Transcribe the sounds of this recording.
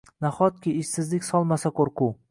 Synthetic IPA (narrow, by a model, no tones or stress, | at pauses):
naχɒt̪̚kʲʰɪːʃsɪzlɪkʲsɒlˠmasakʰoɾqʰʊ